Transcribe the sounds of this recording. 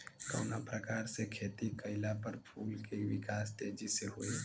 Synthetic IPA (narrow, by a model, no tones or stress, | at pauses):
kɔ̰ːnapɾəkaːɾsekʰeːt̪ikɐɪlapəɾpʰuːlkeʋɪkaːst̪eːd͡ʒiseɦoːeː